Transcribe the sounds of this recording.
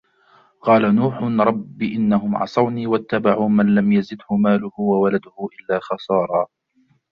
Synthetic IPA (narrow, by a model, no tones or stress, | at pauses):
qɑːlanuːħʊɾˤɑbːʔɪnːaɦʊmʕɑ̰sˤɑwniːwat̪ːabaʕuːmanlamjazɪd̪hʊmaːlʊhʊwawalad̪ʊhʊʔɪlːaːxɑsˤɑːɾˤɑː